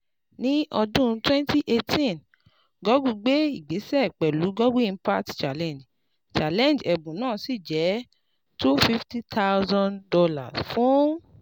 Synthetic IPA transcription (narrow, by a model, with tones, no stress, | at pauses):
nĩ˦ɔ˧dũ˦˨˧twɛ̃˦nti˦ʔe˧tʰĩ˦n | ɡɔ˦ɡu˧ɡ͡be˦i˦˨ɡ͡be˨˦sɛ˦˨k͡pɛ˨lu˨˦ɡɔ˦ɡũ˦ĩ˧˦pa˦tt͡ʃa˨lɛ̃˨n˨d͡ʒ | t͡ʃa˨lɛ̃˦˨n˨d͡ʒɛ˨bũ˨nãː˦˨si˦˨d͡ʒɛ˨˦ | tu˦fi˦fti˦t̪ʰa˦u˦zɔ̃˧ndɔ˧la̰˨sfũ˦